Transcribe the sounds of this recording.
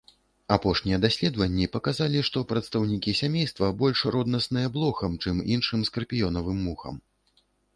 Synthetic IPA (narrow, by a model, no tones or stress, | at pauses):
apɔʂnʲijɛd̪asʲlʲɛd̪vɐnʲːipɐkazalʲiʂt̪ɔpɾɐt̪st̪ɐwnʲikʲisʲamʲejst̪vɐbɔlʲʂrɔd̪nɐsnɨjɐblˠɔxɐmt͡ʂɨminʂɨmskɐrpʲijɔnɐvɨmːuxɐ̰m